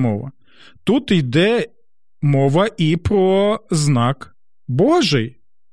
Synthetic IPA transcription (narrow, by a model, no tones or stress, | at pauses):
mɔ̰ʋɐ̰ | t̪ut̪ijd̪ɛ | mɔʋɐʔipɾɔznak | bɔʒɛj